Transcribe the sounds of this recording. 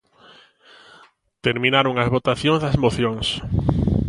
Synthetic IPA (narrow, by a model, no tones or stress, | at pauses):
t̪eɾmĩnaɾoŋɐzβot̪aθjõŋzðɐzmoθjõŋs